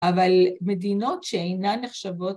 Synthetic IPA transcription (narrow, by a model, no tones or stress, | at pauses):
avalme̞dino̞tʃeejnaneχʃavo̞t